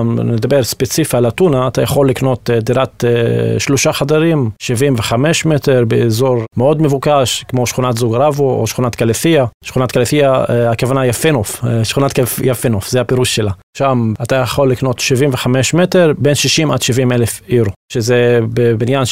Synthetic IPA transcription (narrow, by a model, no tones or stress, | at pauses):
mned̪abeʁspet͡sifialatunaːt̪ajaχo̞lːikno̞td̪iɾatʃloʃaχadaʁimʃivimveχameʃmeteʁbeːzo̞ʁmeo̞dmevukaʃkmo̞ʃχunat̪zuɡʁavoʔo̰ʃχunat̪kaleθiaʃχunatkaleθiaakavanajafenofʃχunatkafjafenofzehapiʁuʃʃela | ʃamat̪ajaχo̞lːikno̞t̪ʃivimveχameʃmeteʁbenʃiʃimʔa̰dʃivimelefiɾoʃezebebinjan